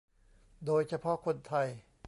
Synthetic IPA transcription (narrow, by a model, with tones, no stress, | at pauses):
doː˧jt͡ɕʰa˧pʰɔ˦˥ʔkʰo˧nt̪ʰa˧˩j